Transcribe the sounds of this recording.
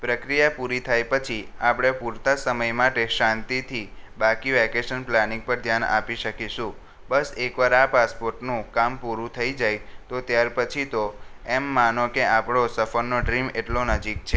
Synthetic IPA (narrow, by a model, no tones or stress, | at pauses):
pɾəkɾijapuɾit̪ʰajpət͡ʃʰiapɽ̃epuɾt̪asəməjmaʈeʃãnt̪it̪ʰibakiʋɛkeʃənplanĩŋɡ̚pəɾd̪ʱjana̰piʃəkiʃũ | bəsekʋaɾapaspoɾʈnũkampuɾũt̪ʰəid͡ʒajt̪ot̪jaɾpət͡ʃʰit̪oemːanõkeʔapɽosəfəɾnoɖɾimeʈlonəd͡ʒik̚t͡ʃʰe